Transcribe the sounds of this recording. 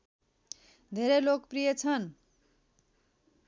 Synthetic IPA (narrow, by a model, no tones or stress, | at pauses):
d̪ʱeɾelokprijʌt͡sʰʌn